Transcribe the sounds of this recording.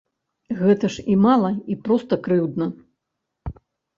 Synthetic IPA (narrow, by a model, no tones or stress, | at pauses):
ɣɛt̪ɐʂimalˠɐipɾɔst̪ɐkɾɨwd̪nɐ